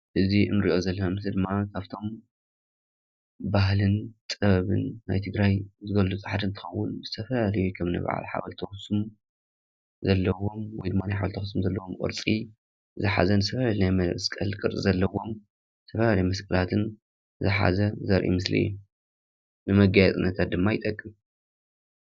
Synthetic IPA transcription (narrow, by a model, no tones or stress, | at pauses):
ʔɨziʔɨ̰nɨɾiʔo̞zɐlːɐnamɨsld̪ɨmːakʰaβt̪ʰo̞m | baɦlɨnt̪ʼɨɐβɨ̰nːa̰jt̪ʰɨɡɾajzɨɡɐlut͡sʼħad̪ɨnt̪ʰɨ̥ɐwːʊnzɨt̪ʰɐfɐlalɐjukʰɐmnɨ̰β̰ʕa̰lħa̰βɐlt̪ʰɐxsum | zɐlːɐwo̞mwɔjd̪ɨmːanajħaβɐlt̪ʰɐxsumzɐlːɐwomkʼɨ̰ɾt͡sʼi | zɨħa̰zɐnɨzɨt̪ʰɐfɐlalnajmɐskʼɐlkʼɨɾʼɨzɐlːɐwo̞m | zɨ̥t̪ʰɐfɐlalɐjmɐskʼɐlat̪ʰɨn | zɨħa̰zɐzɐɾʔḭmɨslḭjːu | nɨmɐɡajɛt͡s̪ʼɨnːɐt̪ʰat̪̚d̪ɨmːajɪt̪ʼɐkʼːim